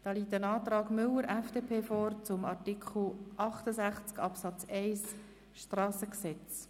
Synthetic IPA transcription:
d̪̥ɑːliːtənɑːtɾɑːɡmʏlːəɾʔɛfd̥eːpʰeːfɔːɾt͡sʊmɑɾtikʰχl̩ʔɑχtəsæχt͡skɑpsɑt͡sɛɪs | ʃtrɑːsəksɛt͡s

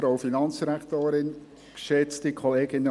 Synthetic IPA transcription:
ɾoʊfinɑnt͡sd̥iɾæktoːɾɪn | kʃɛt͡stikʰɔleːɡɪnːə

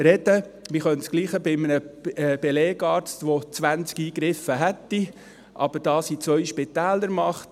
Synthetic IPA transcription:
ɾɛd̥ə | mɪχœntsɡ̥liːχəbɪmənəb̥eleːɡ̥ɑːɾt͡stʋot͡sʋænt͡skiːɡɾɪfəɦætːi | ʔɑ̰b̥əɾd̥ɑːsit͡sʋœʏʃpɪt̪æːləɾmɑχt

